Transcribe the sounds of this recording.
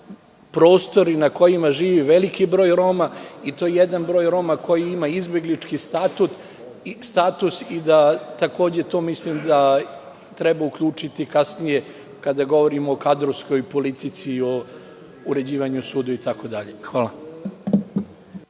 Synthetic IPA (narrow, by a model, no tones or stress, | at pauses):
pɾo̞ːst̪o̞ɾinako̞jimaʒiːʋiʋe̞likibɾo̞ːjɾo̞mait̪o̞jejed̪anbɾo̞ːjɾo̞mako̞jiimaizbje̞ɡlit͡ʃkisat̪ut̪ | st̪aːt̪usid̪at̪ako̞ːd͡ʑe̞t̪o̞ːmislimd̪a | t̪ɾɛbaukʎuːt͡ʂit̪ikasnije | kad̪aɡo̞ʋo̞ɾimoːkad̪ɾosko̞jpo̞lit̪it̪sio | uɾe̞d͡ʑiːʋaɲusuːd̪uit̪ako̞d̪aʎexʋaːlˠa